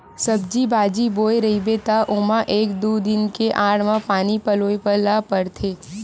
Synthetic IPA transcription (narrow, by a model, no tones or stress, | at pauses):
sɐb̚d͡ʒibaːd͡ʒiboːjɾɐɦibet̪aʔʊmãʔeːkd̪uːd̪ɪnkeʔaːɽmãpaːnipəloːepəɾlapəɽt̪ʰeː